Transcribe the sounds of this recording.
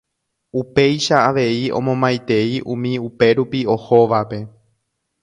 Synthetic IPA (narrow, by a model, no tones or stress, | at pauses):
upe̞jʃaːʋe̞iõ̞̰mõmbajt̪e̞iʔũmĩupe̞ɾupio̞hoʋape̞